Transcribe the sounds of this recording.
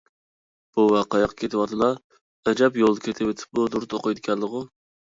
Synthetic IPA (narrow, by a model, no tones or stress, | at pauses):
b̥uwɑqɑjɑqʰːɑ̥kʲʰet̪ʰɪwɑt̪ʰɨlˠɑ | ɛd͡ʒɑpjolˠd̪ɨkʲʰet̪ʰɪwet̪ʰɪ̥p̚mud̪uɾt̪ʰoqɨjd̪ɪkʲʰɛnlˠəʁʊ